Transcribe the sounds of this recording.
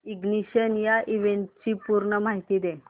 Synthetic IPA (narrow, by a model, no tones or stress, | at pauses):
iɡniɕənjaʔiʋenʈt͡ɕiːpuɾɳəmaɦit̪iːd̪e